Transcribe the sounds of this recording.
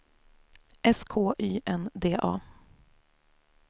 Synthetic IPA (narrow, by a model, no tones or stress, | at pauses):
ʔɛskʰoːʔyːʔɛnd̪eːʔɑː